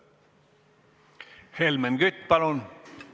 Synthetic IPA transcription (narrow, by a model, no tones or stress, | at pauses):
helmenɡyt̪ʲpɑlon